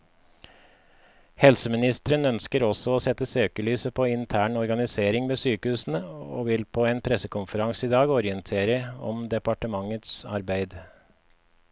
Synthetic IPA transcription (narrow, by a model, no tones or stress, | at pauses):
hɛlsəmɪnɪst̪əɾənœnskəɾɔsɔoːsɛt̪ːəsøːkəlyːsəpʰɔːɪnt̪ʰæːɳɔɾɡɑnɪseːɾɪŋmeːsyːkəhʉːsn̩əo̰ːʋɪlpʰoːenpʰɾɛsəkʰʊnfəɾɑŋsiːd̪ɑːɡɔɾɪənt̪ʰeːɾəɔ̰md̪ɛpɑʈəmɑŋːət̪sɑ̰ɾbæɪd̪